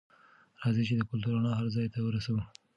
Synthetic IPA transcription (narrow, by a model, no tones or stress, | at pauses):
ɾɑzit͡ʃed̪əkʊlt̪uɾanɑɦaɾzɑjt̪awəɾasawu